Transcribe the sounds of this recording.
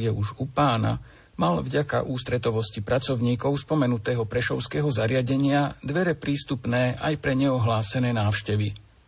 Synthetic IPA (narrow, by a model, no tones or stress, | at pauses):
jɛʔuʒupaːna̰ | malvɟaka̰ʔuːst̪ɾɛt̪ɔʋɔscipɾat͡sɔʊɲiːkɔʊspɔmɛnut̪ɛːɦɔpɾɛʃɔʊskɛːɦɔzaɾɪaɟɛɲɪad̪ʋɛɾɛpɾiːst̪upnɛːʔajpɾɛɲɛɔɦlaːsɛnɛːnaːʊʃcɛʋi